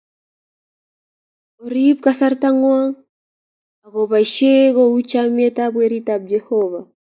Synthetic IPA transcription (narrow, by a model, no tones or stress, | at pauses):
oɾibkasaɾtaŋwaŋ | aɣoβaiʃeɣout͡ʃametabweɾitab̚d͡ʒehɔva